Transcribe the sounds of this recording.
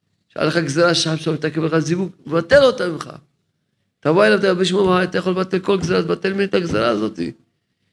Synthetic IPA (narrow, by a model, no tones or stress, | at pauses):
ʃa̰leχaɡzeɾaʃaʃamt̪akevleazivuɡvat̪elot̪amimχa̰ | t̪avoelavt̪aabiʃmomajat̪ajaχo̞levat̪elko̞lɡzeat̪bat̪elminet̪aɡzeɾaːzo̞t̪ḭ